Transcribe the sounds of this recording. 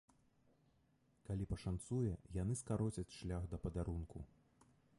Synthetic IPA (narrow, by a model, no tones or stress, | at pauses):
kalʲipɐʂant̪sujɛjanɨskaɾɔt͡sʲɐt͡sʲʂlʲaɣd̪ɐpɐd̪aɾunkʰu